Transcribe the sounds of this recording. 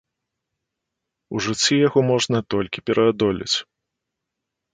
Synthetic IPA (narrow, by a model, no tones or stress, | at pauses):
uʐɨt͡sʲːijaɣɔmɔʐnɐt̪ɔlʲkʲipʲɛɾʔɐd̪ɔlʲḭt͡sʲ